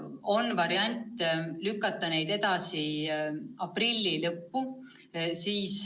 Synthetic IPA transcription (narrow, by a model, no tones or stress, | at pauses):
o̞nːvɑɾiɑnʲt̪ˑlykːˑɑt̪ːˑɑne̞jd̪̥e̞d̪ɑsi | ɑprilʲːilɤpːu | siːs